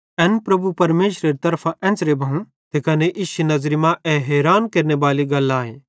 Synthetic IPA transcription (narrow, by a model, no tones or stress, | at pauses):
ɛːnpɾɐbʱupɐɾmeːʃɾeɾit̪ɐɾpʰaʔɛ̃ːnt͡sɾebʱɐũ | t̪ekɐneʔɪʃinɐzɾimãʔɛɦɛːɾaːnkɐɾneʋaːliɡɐlːaːɦẽː